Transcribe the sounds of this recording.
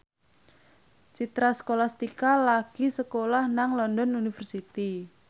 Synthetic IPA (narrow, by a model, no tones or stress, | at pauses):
t͡ʃit̪ɾasə̥kolast̪ikalaɡ̥isəkolahnaŋlɔndɔnunifərsit̪i